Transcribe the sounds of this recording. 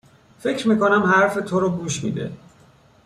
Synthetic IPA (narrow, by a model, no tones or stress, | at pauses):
fe̞cɾmiːkonæmhæɾfe̞t̪ʰoɾoɡuːʃmḭːd̪ḛ